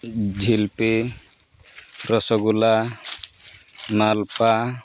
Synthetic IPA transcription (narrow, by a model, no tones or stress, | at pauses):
d͡ʒʱilpe | ɾɔsɔɡula | nalpa